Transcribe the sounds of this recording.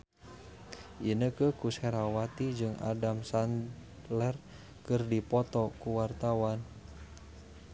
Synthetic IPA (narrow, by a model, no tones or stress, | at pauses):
ʔinəkəkusɛɾawat̪id͡ʒɨŋa̰damsan | lɛr | kɨrdipɔt̪ɔkuwart̪awan